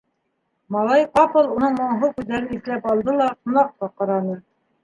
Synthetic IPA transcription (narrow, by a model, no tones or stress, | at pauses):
mɑlˠɑjqɑpɤ̆lˠunɤɴmɑɴɦɤkʉðːæɾɘniθlæpɑlˠd̪ɤlˠɑtŭnɑq̚t̪ɑqɑɾɑnɤ